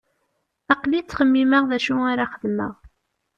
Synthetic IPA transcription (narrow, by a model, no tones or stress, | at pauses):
ɑqlit͡sːχəmːiməʁðæʃuaɾaχəðmə̰ʁ